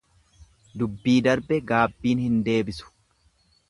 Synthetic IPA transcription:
d̪ʊbːiːd̪ɐɾbɛɡaːbːiːnhɪnd̪e̞ːbɪsʊ̥

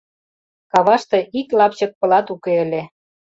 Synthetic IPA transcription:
kɑβɑʃt̪ĕʔiklɑpt͡ɕə̆k̚pɤ̆lɑt̪ukeə̆lʲe

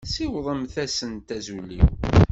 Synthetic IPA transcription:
siwðˤəmθæsənt̪æzulːḭw

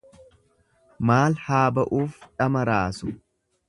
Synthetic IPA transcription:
maːlhaːbɐʔuːfᶑɐmɐɾaːsʊ̥

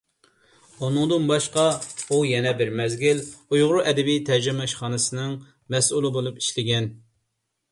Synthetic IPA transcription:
unɨŋd̪ɨnbɑʃqɑujɛnɛbɪɾmɛzɡʲilujʁʊɾuʔɛd̪ɛbijt̪ʰɛd͡ʒɪmɛʃχɑːnɨsɨnɨŋ | mɛsulˠɨbolˠupi̥ʃlɪɡʲɛn

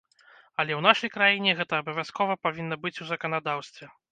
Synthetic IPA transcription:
ɐlʲɛwnaʂɐjkɾajinʲɛɣɛt̪ɐːbɐvʲaskɔvɐpavʲinːɐbɨt͡sʲuzɐkɐnad̪awst̪vʲɛ

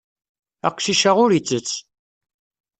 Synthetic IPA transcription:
æ̰qʷːsiʃaʁʊɾit͡sːət͡sː

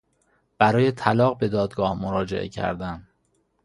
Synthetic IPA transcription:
b̥æɾɒːje̞t̪ʰælɒːɣbe̞d̪ɒːd̪ɡɒːhmoɾɒːd͡ʒeʔḛcʰæ̰ɾd̪æm

